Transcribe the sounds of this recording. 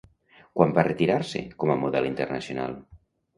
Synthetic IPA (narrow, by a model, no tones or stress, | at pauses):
kwambaret̪iɾaɾsḛkɔməmuðɛlint̪ernəsiona̰lˠ